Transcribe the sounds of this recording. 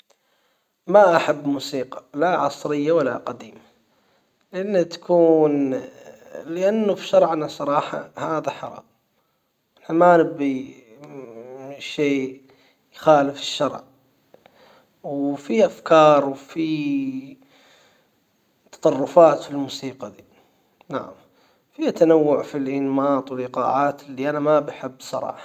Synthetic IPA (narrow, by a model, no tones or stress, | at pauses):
maʔaħabːmuːsiːqɑ̥laʕɑsˤɾɪjːawalːaqad̪iːma | lɪʔanːat̪ḁkʰuːn | lɪʔanːʊfiʃɑɾˤʕanasˤɑɾˤɑːħɑ̰haːðaħɑɾˤɑ̰m | namanɪbːi | ʃeː | jxaːlɪfɪ̥ʃːɑɾˤʕ | wfiʔafkɑːɾˤwfi | t̪ɑ̥t̪ˤɑrˤːʊfaːt̪filmʊsiːqad̪i | na̰ʕa̰m | fit̪anawːʊʕfilʔɪnmɑːt̪ˤwɪlɪqɑ̰ːʕaːt̪ɪlːiʔanamabaħɪbːsˤɑ̰ɾˤɑ̰ːħɑ